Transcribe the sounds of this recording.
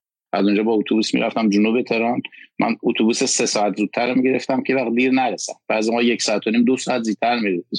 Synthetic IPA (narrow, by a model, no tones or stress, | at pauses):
ʔæzund͡ʒɒːbɒːut̪ʰubusmḭɾʔæ̰ft̪æmd͡ʒunubet̪ʰe̞ɾɒnmʔæ̰nut̪ʰubusesesɒːæt̪ʰzuːd̪̚t̪ʰːæɾmiɟe̞ɾeft̪æmkʰevæx̚d̪iːɾnæɾesæmb̥æːzimɒːjecsɒæt̪ʰːoniːmd̪osɒːæt̪̚ziːt̪ʰæɾmiɾe